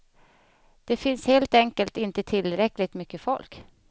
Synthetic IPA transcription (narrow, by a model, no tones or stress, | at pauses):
d̪̥ɛfɪnsheːlt̪ɛŋkəlt̪ɪnt̪ət̪ʰɪlɾɛkːlɪɡ̚t̪mʏkːəfɔ̰lk